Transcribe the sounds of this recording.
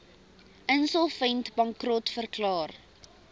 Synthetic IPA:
ənsɔlˠfɛntbɐŋkrɔtfərklɑːr

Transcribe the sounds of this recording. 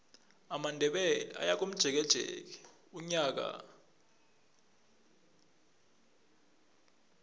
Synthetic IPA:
amandʱɛɓɛlɛa̰jak̬um̩d̥ʒ̥ʱɛk̬ɛd̥ʒ̥ʱɛ̰ːk̬ɛ̥ | uɲak̬a̰

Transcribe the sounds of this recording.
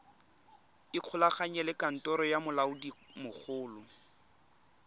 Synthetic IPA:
ɪq͡χʰʊlaχaɲɛlɪkan̩tʼɔɾɔjamʊlaʊdimʊk͡xʰʊːlʊ

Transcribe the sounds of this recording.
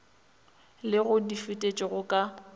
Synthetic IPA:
lɪɣʊdifɪtʼet͡ʃʼɪɣʊkʼa

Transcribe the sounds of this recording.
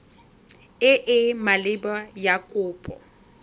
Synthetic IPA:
ɪʔɪmalɪbajakʼʊːpʼɔ̰

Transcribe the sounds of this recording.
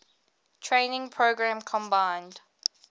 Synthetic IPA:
tʰɹẽɪnɪ̃ŋpʰɹoʊɡɹæ̃mkʰɔ̃mbãɪ̃nd̥

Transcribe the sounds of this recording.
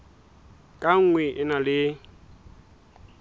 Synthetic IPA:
kʼaŋ̩ŋwɛʔɪnalɪ

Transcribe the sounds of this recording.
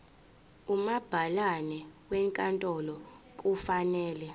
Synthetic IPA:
umab̥ʱalanɛwɛŋkʼantʼɔlɔ | k̬ʼufanɛːlɛ

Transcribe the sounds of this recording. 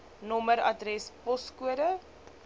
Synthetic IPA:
nɔməɾɐ̰drɛspɔskuəɾə

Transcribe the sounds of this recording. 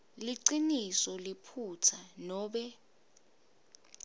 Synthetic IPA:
liǀinisɔlipʰutʰanɔːɓɛ

